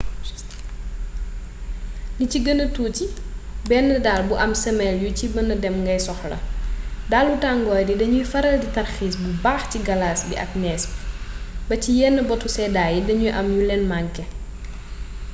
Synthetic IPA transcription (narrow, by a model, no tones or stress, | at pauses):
niciɡənətuːcibɛnːɐdaːlbuʔɐmsɐmɛljucibɐnɐdɛmŋɡɐjsɔxlɐ̰dalːutaŋɡɔːjdidɐɲujfɐɾɐlditɐrxiːsbubaːxciɡɐlaːsbḭʔɐ̰k̚nɛːs | bɐcijɛnːəbɔtusɛːdaːjidɐɲujʔɐmjulɛnmaŋkɛ